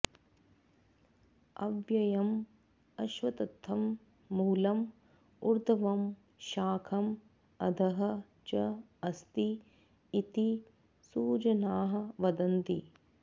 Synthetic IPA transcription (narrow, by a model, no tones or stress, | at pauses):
ɐ̰ʋjɐjɐm | ɐʃʋɐt̪ɐt̪ʰːɐmː | uːlɐm | uɾd̪ʱɐʋɐm | ʃaːkʰɐm | ɐd̪ʱɐɦɐ̆ | t͡ʃɐ | ɐst̪iː | t̪i | suːd͡ʒɐnaːɦɐ̆ʋɐd̪ɐnt̪i